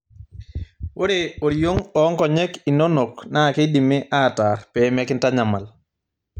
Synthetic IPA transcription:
wo˦ɾe˦o˨ɾijo˦ŋɔː˦ŋkɔ˨ɲɛ˦ki˨no˦no˨kna˦˨ke˦di˨mɪ˦ʔa˦taɾpɛ˨˦ma˦kɪ˦nta˦ɲa˨ma˨l

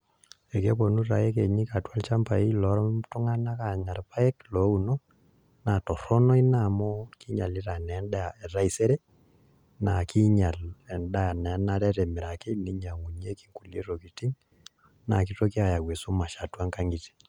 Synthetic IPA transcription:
e˨ke˦po˨nu˦ra̰˨je˦ke˨ɲi˦ka˨twa˦lt͡ʃa˦mpa˨i˦lɔ˨˦ɾɔ˦mtu˦ŋa˦na˦ka˨ɲa˨rpa˦je˦klo˨˦u˨no˦ | na˨tɔ˨ɾɔ˦nɔ˦i˦na˦˨mɔ˦ki˦ɲa˨li˦ɾa˨nɛ˨˦nda˦a˨ɛ˨ɾa˦i˨se˦ɾe˦ | na˨ki˦ɲa˨lɛ˨nda˦a˨na˨˦na˦ɾɛ˦ɾɛ˨mɪ˨ɾa˨ke˦ni˦ɲa˨ŋu˨ɲi˦e˦ki˦ŋku˨lje˦ɾo˨ki˨ti˦ŋ | na˨ki˦to˦k̬i˦a˨ja˨ɡwe˨su˦ma˨ʃa˨twa˦ŋka˦ŋɡi˨ti̥˨

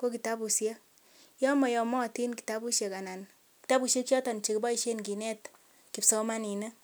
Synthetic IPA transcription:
ko˦ki˨ta˦bu˨sje˦ | jɔ˦mɔ˨jɔ˨mɔ˦˨ti˦nki̥˨ta˦bu˦ʃje˨ka˨na˨n | ki̥˨ta˦bu˨sje˦kt͡ʃɔ˦tɔ˨nt͡ʃe˨ki˦ba˦i˦ʃe˦nki˨nɛ˦t | ki˨psɔ˦ma˦ni˨ne˦

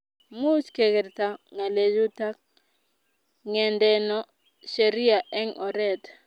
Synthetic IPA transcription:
mu˦t͡ʃke˨kɛ˨ɾta˨ŋa˨le˨d͡ʒu˦ta˦k̚ | ŋɛ˨ndɛ˨nɔ˨ | ʃe˨ɾi˦a˨ʔɛ˦ŋɔ˨ɾɛ˦t

